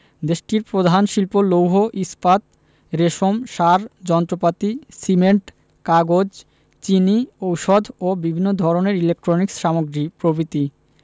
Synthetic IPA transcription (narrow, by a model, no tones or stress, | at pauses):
d̪eʃʈiɾpɾod̪ʱanʃilpolowɦoʔispat̪ | ɾeʃomʃaɾd͡ʑɔnt̪ɾopat̪isimeɳʈ | kaɡod͡ʑ | t͡ɕiniowʃɔd̪ʱobibʱinːod̪ʱɔɾoneɾilek̚ʈɾoniksʃamoɡɾipɾobɾit̪i